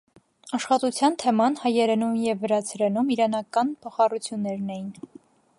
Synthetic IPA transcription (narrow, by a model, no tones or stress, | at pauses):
ɑʃχɑt̪ut͡sʰjɑnt̪ʰɛmɑnhɑjɛɾɛnumjɛvːəɾɑt͡sʰɾɛnumiɾɑnɑkɑnpʰɔχɑrut͡sʰjunːɛɾnɛjin